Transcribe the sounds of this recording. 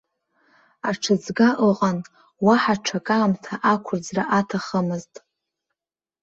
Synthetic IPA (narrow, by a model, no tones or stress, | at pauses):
aʈ͡ʂʰɨd͡zɡaʔəqʼan | waħaʈ͡ʂʰakʼaːmtʰaʔakʷʰʊrd͡zraʔatʰaχəmɨztʼ